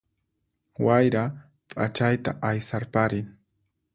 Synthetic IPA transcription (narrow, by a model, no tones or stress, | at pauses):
wajɾa | pʼa̰t͡ʃajt̪aʔajsaɾpaɾɪŋ